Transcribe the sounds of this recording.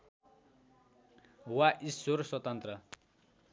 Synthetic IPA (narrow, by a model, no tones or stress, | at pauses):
waʔisorswʌt̪ʌnt̪rʌ